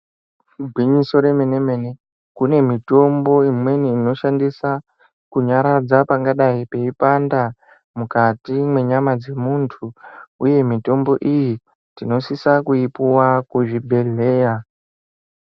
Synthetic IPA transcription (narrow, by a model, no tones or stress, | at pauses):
bʱwiɲiso̞ɾe̞mene̞me̞ne̞ | kune̞mito̞mbo̞imwe̞niːno̞ʃandisa | kuɲaɾad͡zapaŋɡaɗaipe̞ipanda | mukatimwe̞ɲamad͡ze̞muntʰuuje̞mito̞mbo̞ʔiji | tino̞sisakuipuwakuʐibʱe̞le̞ːja